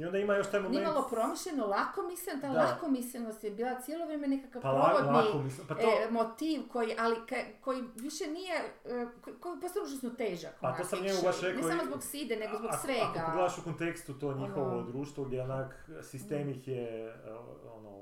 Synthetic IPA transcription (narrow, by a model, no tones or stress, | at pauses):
io̞nd̪aimajoʃt̪aemomiemalˠo̞pɾo̞miʃʎenolˠakomisʲent̪alˠakomisʎenost̪jebiːlˠat̪sjeloʋɾeːmenekakaʋpaɾloaodlakomispat̪omot̪iːʋko̞jiʔalikako̞jiʋiʃenijekokopost̪auʒasnot̪eʒakat̪osamɲeɡoaeneamozboɡsiːd̪ene̞ɡozboɡsʋeɡaɡled̪aʃukont̪ekst̪ut̪oɲixoʋod̪ɾuːʃt̪ʋoɡd̪ʲjeonak | sist̪eːmixje | o̰no̰